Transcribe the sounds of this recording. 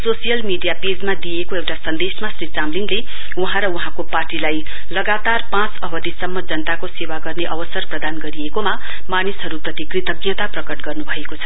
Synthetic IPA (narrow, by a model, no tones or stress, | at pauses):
sosijʌlmiɖijaped͡zmad̪ijekoewʈasʌnd̪esmasrit͡samliŋle | uɦãɾʌuɦãkoparʈilaj | lʌɡat̪arpãt͡sʌbʌd̪ʱisʌmːʌd͡zʌnət̪akosewaɡʌrneʔʌbʌsʌrprʌd̪anɡʌɾiekoma | manisɦʌɾuprʌt̪ikrit̪ʌɡjʌt̪aprʌkʌʈɡʌrnubʱʌekot͡sʰʌ̥